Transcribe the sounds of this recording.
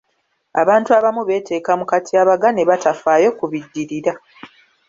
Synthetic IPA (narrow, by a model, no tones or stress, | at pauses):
a̰βaːntuaβamuβe̞ːte̞ːkamukatʰiaːβaɡane̞βatafaːjo̞kuβidːiɾiɾa